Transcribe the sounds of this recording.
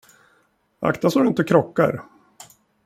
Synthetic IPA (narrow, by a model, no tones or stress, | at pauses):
a̰kt̪asɔɖʏɪnt̪əkʰɾɔkːa̰ɾ